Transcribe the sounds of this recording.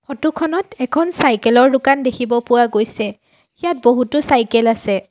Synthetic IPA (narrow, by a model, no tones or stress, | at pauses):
kɔtukʰɔnɔtɛkʰɔnsajkɛlɔɹdʊkandekʰibɔpʊwaɡojsɛ | ijat̚boɦutʊsajkɛlasɛ